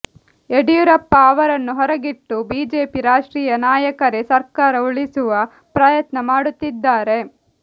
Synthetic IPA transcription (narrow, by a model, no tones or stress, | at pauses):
eɽijuɾɐpːɐːʋɐɾɐnːuɦɔɾɐɡiʈːubiːd͡ʒeːpiɾaːʂʈɾiːjɐnaːjɐkɐɾesɐɾkaːɾɐuɭisuʋɐ | pɾaːjɐt̪nɐmaːɽut̪ːid̪ːaːɾe̞